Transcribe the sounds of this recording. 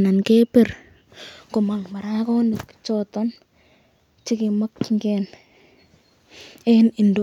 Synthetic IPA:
na˨nke˦pe˨r | ko˨ma˨ŋma˨ɾa˦kɔ˦nikt͡ʃɔtɔn | t͡ʃɪ˦kɪ˨ma˦kŋɡɛn | ɛni˨ndo

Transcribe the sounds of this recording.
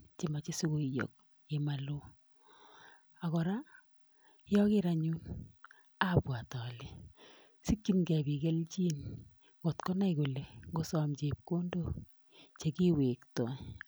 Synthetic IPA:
t͡ʃe˨ma˨t͡ʃi˦su˦ɡo˨ijo̰˨k̚ | e˨ma˨lo˦ | a˨kɔ˨ɾa˦ | jɔ˦kɪ˦ɾa˨ɲu˦n | a˦˨bwa˨tɔ˨li˨ | si˦kːi˦mɡɛ˨bi˨ɡɛ˦lt͡ʃi˦n | ŋo˨tkɔ˦na˦i˨ɡo˨le˨ɡo˦sɔ˨mt͡ʃe˨p̚ko˦ndo˦˨ | t͡ʃe˨ki˦we˨ktɔ˨

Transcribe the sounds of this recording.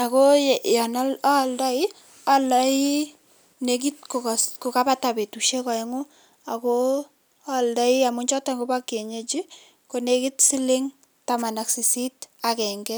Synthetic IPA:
a˨ko˦ja˨nɔ˦la˦˨lda˦i˦ | a˦lai˦ | nek̬i˦t̚ko˨ksko˨ka˦ba˦ta˨be˨tu˨ʃe˦ka˨ɛ˦ŋo˦ | a˨ko | a˦˨lda˦i˦a˨mʊ˦ɲt͡ʃɔ˦ta˨ŋɡo˦ba˦kːe˨ɲe˦t͡ʃi˦ | ko˨neki˦tsi˦le˦ŋ | ta˨ma˨na˨ksi˨si˦ta˨kɛ˨ŋɡɛ˦

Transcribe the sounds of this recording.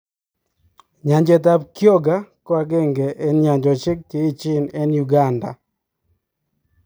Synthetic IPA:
ɲa˨ɲd͡ʒɛ˨t̬a˦bkjo˦ɡa˦kɔ˦a˨ɡe˦˨ŋɡɛ˨ʔɛ˦nɲa˨ɲd͡ʒɔ˨t͡ʃɪ˦k̚te˨˦i˦t͡ʃɪ˦˨nɛ˦nju˨ɡa˦˨nda̰˨

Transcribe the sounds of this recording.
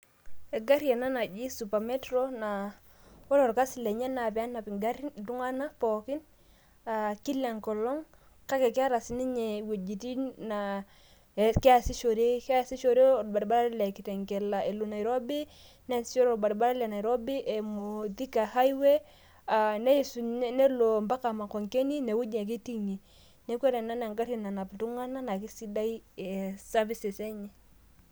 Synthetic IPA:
e˨ɡa˦ɾja˨na˦na˨d͡ʒi˦su˨pa˨me˦tɾo˦na˨ | wɔ˦lo˨ɾka˦si˨le˨ɲɛ˦na˨pɛ˨a˦na˨pi˨ŋɡa˦ɾi˦du˦ŋa˦na˦pɔ˨ki˦n | a˨ki˦lɛ˨ŋkɔ˨lɔ˦ŋ | ka˦kɛ˨ka˦ɾa˨si˦ni˦ɲɛ˨we˨d͡ʒi˨ti˦na˨ | kɛ˦a˨si˦ʃo˨ɾe˦ka˦si˦ʃo˨ɾe˦˨ba˨ɾba˦la˦le˨ki˨tɛ˨ŋkɛ˨la˨ʔe˨lu˨na˨i˨ɾo˦bi˦ | nɛ˦sʃo˦ɾo˨ba˨ɾba˦la˦lɛ˨na˨i˨ɾo˦bi˦ʔe˨mo˨ti˦ka˨ha˦i˦we˦ | a˨ne˦i˨su˨˦ne˦lo˨mba˦ka˨ma˨kɔ˨ŋke˦ni˦ne˨wu˦ɲe˨k̬i˦ti˦ɲi˨ | ne˦kʷe˦ɾɛ˨na˦na˨ŋɡa˦ɾi˨na˨na˨ptu˦ŋa˦na˦na˨ki˦si˦da˦i˦ɛe˨sa˦vi˦se˨sɛ˦ɲɛ˨

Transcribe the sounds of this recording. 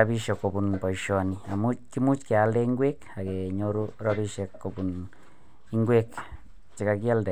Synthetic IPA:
a˦bi˦ʃo˧˨ko˨bu˧npa˨i˧ʃo˧ni˧a˨mu˦ki˦mu˦t͡ʃke˨a˧ld̪e˦ŋɡʷe˦ka˨ɡe˨ɲo˧ɾu˦ɾa˦bi˧ʃe˧ko˨bu˨n | i˦˧ŋɡʷe˦k | t͡ʃi˨ka˧ɡi˦a˦ld̪e˨

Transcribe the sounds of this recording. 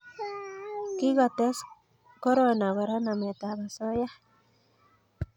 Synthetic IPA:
ki˦ɣa˨t̪e˦s | ko˦ɾo˦na˨wa˨ɾa˦na˨me˨t̪a˨βa˨so˦ja˦

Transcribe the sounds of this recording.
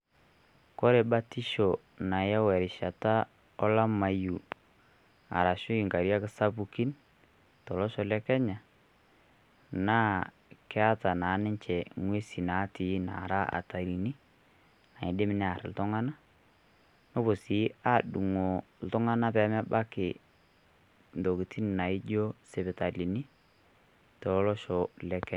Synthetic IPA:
kɔ˦ɾe˨ba˦ti˦ʃo˨ | na˨ja˦wɛ˨ɾɪ˨ʃa˨ta˦ | ɔ˦la˦ma˨ju˨ | a̰˨ɾa˨ʃʊ˦i˨ŋka˨ɾja˦kɪ˦sa˦bu˨ki˦n | tɔ˨lɔ˦ʃɔ˨lɛ˦kɛ˦ɲa˨ | naː˦ | kɛ˦a˦ta˨na˨˦nɪ˦ɲt͡ʃɛ˨ŋwe˦si˨na˨˦ti˨˦na̰˨ɾa˦a̰˨ta˨ɾi˨ni˦ | na˨ɪ˨dɪ˦mɪ˦nɛ˦a˨ɾ̰l̩˦tɔ˦ŋa˦na˦ | nɔ˦bo˨si˨˦a˦du˨ŋo˨ | l̩˦tɔ˦ŋa˦na˦pɛ˨˦mɛ˦ba˦kɪ˨ | ndo˨ki˨tʰi˦n˨na˨ɪ˦d͡ʒo˦se˨bɪ˨ta˨li˨ni˦ | tɔ˨lɔ˦lɔ˦ʃɔ˨lɛ˨kɛ˦

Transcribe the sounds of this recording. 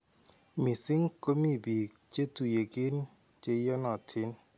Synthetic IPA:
mi˨sɪ˦ŋko˦mi˦bi˨t͡ʃe˦tu˨je˨kɪ˦n | t͡ʃe˦jɔ˦nɔ˨tʰɪ˦n

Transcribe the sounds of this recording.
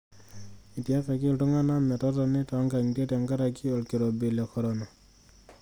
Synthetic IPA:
i˨tja˦kɛ˨ki˦ltu˦ŋa˦na˦mɛ˨tɔ˦tɔ˧nɪ˦tɔ˦ŋɡa˨ŋ˨te˦ta˨ŋɡa˦ɾa˨ki˦ɔ˨lki˨ɾo˨be˨lɛkɔɾɔna˨

